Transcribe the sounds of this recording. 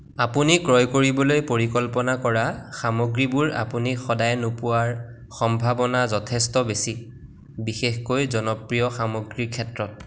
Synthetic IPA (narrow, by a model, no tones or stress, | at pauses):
apunikɹɔjkoɹibɔlojpoɹikɔlpɔnakɔɹaxamoɡɹibuɹa̰punixɔdajnopʊwaɹ | xɔmbʱabɔnazɔtʰɛstɔbesi | bixexkojzɔnɔpɹijɔxamoɡɹikʰɛtɹɔt̚